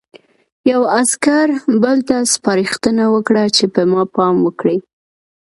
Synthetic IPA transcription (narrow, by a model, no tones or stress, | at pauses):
jawaskaɾbəlt̪aspɑɾixt̪ənawəkɽat͡ʃepəmɑpɑmwəkɽi